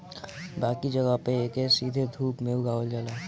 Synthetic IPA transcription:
baːkid͡ʒəɡəpeeːkesiːd̪ʱed̪ʱuːpmeuɡaːold͡ʒaːlaː

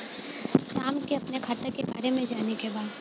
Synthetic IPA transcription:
ɾaːmkeɐpnekʰaːt̪ekeba̰ːɾemẽd͡ʒaːnekebaːd̪

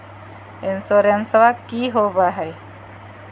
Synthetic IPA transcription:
ɪnsuɾensʋakiːɦoːbaɦɛ

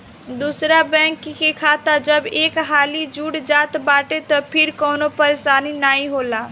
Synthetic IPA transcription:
d̪uːsɾabɛ̃ːŋkːikekʰaːt̪ad͡ʒəbeːkɦaːlid͡ʒuːɽd͡ʒaːt̪baːʈet̪ɔpʰɪɾkɔːnõpɐɾesaːninaːĩɦoːlaː

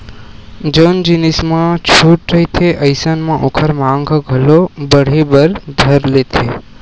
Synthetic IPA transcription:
d͡ʒənd͡ʒinismãt͡ʃʰuʈ̚ɾəit̪ʰeʔəjsənmãʔokʰəɾmãŋɡʱɡʱəlobəɽ̤ebəɾd̪ʱəɾlet̪ʰe

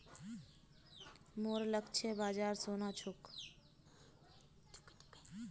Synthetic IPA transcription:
moːɾləkt͡ʃʰebaːd͡ʒaːɾsoːnaːt͡ʃʰok

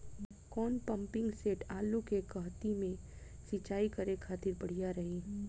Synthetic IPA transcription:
kɔːnpə̃mpɪ̃ŋɡseːʈaːlukekɐɦt̪imẽ | sit͡ʃaːikəɾekʰaːt̪ɪɾbəɽ̤ijaɾɐɦiː

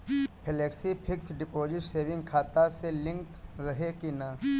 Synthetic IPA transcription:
pʰeleːksipʰɪksɖɪpoːd͡ʒɪʈseːʋɪ̃ŋɡ̚kʰaːt̪aselɪ̃ŋkɾɐɦekinaː

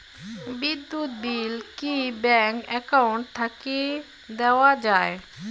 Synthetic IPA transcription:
bid̪ːut̪̚bilkibɛŋkɛkaʊɳʈt̪ʰake | d̪ɛwad͡ʑae

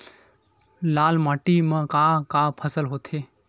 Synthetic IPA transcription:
laːlmaːʈimãkãːkãːpʰəsəlɦoːt̪ʰeː

